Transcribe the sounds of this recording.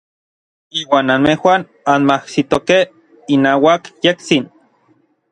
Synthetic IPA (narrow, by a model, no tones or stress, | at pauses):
iːwaːnanmehwan | anmahsit̪okeh | inaːwakjek̚t͡sin